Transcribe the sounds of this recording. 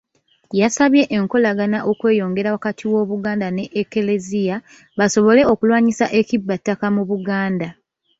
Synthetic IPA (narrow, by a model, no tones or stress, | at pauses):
jasaβje̞ʔeŋko̞laɡanaʔo̞kwe̞ːjo̞ːŋɡe̞ɾawakatʰiwo̞ːβuɡaːndane̞ʔːkelezija | βaso̞βo̞le̞o̞kulwaːɲisaʔe̞cibːatːakamuβuɡaːnda